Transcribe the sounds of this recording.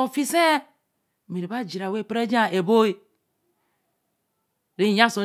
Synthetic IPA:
o˨fi˦se˦˨ | mi˨ɾi˨ba˦d͡ʒi˨ɾa˨we˦˨pɾe˦d͡ʒa˦e˨bo˦i˦ | ɾi˦˨jã˦˨so˨

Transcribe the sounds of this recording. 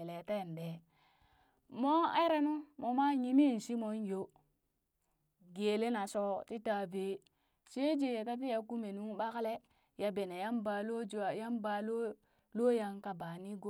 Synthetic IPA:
e˨le˨te˦˨n˨be˨ | mo˦e˦ɾe˦nu˦mo˨ma˦ɲi˦mi˦˨n˨si˦mo˨˦njo˦ | ɡe˨le˦na˨so˦ti˦ta˨ve˨ | t͡ʃe˦d͡ʒe˦je˨ta˦t̬i˦ja˨ku˦me˨nu˦ŋɓa˦kle˦ | ja˨be˨na˨ja˦mba˨lo˦˨ja˦mba˨lo˦ | lo˦ja˦ŋka˨ba˨ni˦ɡo˦

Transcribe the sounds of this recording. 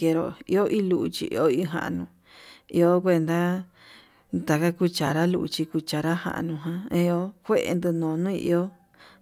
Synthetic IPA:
e˧˨˧ɾo˨ḭ˧˦o˦ʔi˦lu˧˨ʔu˧t͡ʃḭ˧ʔḭ˧o˦i˧˨ɦã̰˨ʔa̰˧nũ˧ | i˧o˦k̬ʷe˧nd̪a˦ | t̪a˨ka˦ku˦t͡ʃa˨ɾa˦lu˧ʔt͡ʃi˧ku˧t͡ʃa˨ɾa˦hã̰˧˨ʔa̰˧nũ˧ɦã˧ẽ˧o˦kʷe˦ʔḛ˧nd̪ɨ˧nõː˨nũː˦ḭ˧ʔi˧o˦

